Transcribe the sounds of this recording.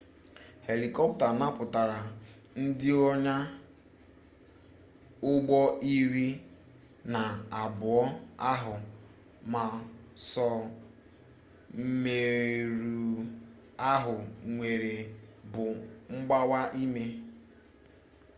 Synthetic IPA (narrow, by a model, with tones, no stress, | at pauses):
he˨li˨kɔ˦pta˨na˦pʊ˨ta˨ɾa˨ | n̩˦dɪ˦ɔ˦ɲa˦ | ʊ˦ɡ͡bɔ˦ʔi˦ɾi˦ | na˨a˨bʊ˨ɔ˦a˦ɦʊ˨ | ma˨sɔ˨ | me˨ɾu˨ | a˦ɦʊ˨ŋʷe˨ɾe˨bʊ˨ŋ͡m̩˦ɡ͡ba˦wa˦ʔi˦me˦